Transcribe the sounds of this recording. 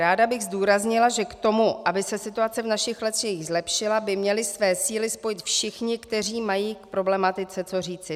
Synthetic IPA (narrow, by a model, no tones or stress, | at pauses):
ɾaːdabɪɣzduːɾazɲɪlaʒɛkt̪o̞muʔabɪsɛsɪt̪uat͡sɛvnaʃɪxlɛt̪jɛjɪɣzlɛpʃɪlabɪmɲɛlɪsvɛːsiːlɪspo̞jɪt̪fʃɪxɲɪkt̪ɛriːmajiːkpɾo̞blɛmat̪ɪt͡sɛt͡so̞riːt͡sɪ